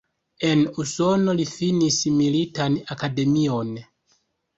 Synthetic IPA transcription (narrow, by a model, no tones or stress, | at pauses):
e̞nuso̞no̞lifinismilitanakade̞mio̞n